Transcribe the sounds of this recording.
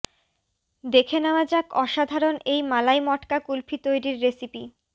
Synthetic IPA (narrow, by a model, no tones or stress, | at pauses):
d̪ekʰenaad͡ʑakɔʃad̪ʱaɾonejmalajmɔʈkakulpʰit̪ojɾiɾːesipi